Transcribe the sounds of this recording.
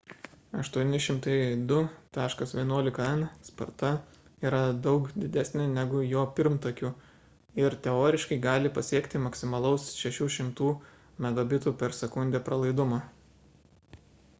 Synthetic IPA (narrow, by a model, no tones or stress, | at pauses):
ɐʃt̪uɔnʲɪʃʲɪmt̪ɐɪd̪ʊt̪ɑːʃkɐsʋʲiɛnuɔlʲɪkɐɛnspɐ̰ɾt̪ɐ | iːɾɐd̪ɒʊkd̪ʲɪd̪ʲæsʲnʲɪnʲæɡʊjoːpʲɪɾmt̪okʲuː | ɪɾt̪ʲɛoːɾʲɪʃkɐɪɡɑːlʲɪpɐsʲiɛkt̪ʲɪmɐksʲɪmɐlˠɐʊsʃʲɛʃʲuːʃʲɪmt̪uː | mʲɛɡ̪oːbʲɪt̪uːpʲɛɾsʲɛkʊnʲd̪ʲeːpɾɐlˠɐɪd̪ʊmoː